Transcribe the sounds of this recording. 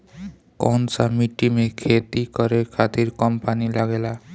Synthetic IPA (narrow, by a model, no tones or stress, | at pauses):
kɔnsamiʈːimekʰet̪ikʌɾekʰat̪iɾkʌmpanilaɡela